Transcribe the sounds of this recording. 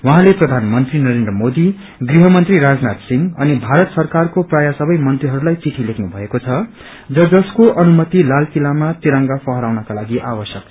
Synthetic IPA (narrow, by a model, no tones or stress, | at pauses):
wʌɦãleprʌd̪ʱanmʌnt̪rinʌɾend̪rʌmod̪i | ɡriɦʌmʌnt̪riɾad͡znat̪siŋɡʌnibʱaɾʌt̪sʌrkarkoprajasʌbʌjmʌnt̪riɦʌɾulajt͡siʈʰilekʰnubʱʌekot͡sʰʌ | d͡zʌd͡zʌskoʔʌnumʌt̪ilalkilamat̪iɾaŋɡapʰʌɦʌɾawnʌkalaɡiʔabʌsjʌk